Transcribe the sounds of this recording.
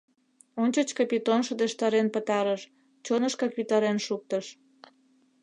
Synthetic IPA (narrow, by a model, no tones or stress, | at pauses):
onʲt͡ɕət͡ɕkɑpʲit̪onʃəd̪eʃt̪ɑɾenpət̪ɑɾəʃ | t͡ɕonəʃkɑkβit̪ɑɾenʃuk̚t̪əʃ